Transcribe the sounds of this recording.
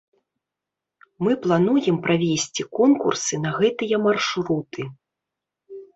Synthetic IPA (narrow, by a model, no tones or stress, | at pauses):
mɨplˠanujɛmpɾavʲesʲt͡sʲikɔnkṵrsɨnɐɣɛt̪ɨjɐmarʂɾut̪ɨ